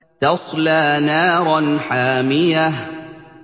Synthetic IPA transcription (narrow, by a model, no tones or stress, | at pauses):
t̪ɑsˤlaːnaːɾˤɑnħaːmɪjah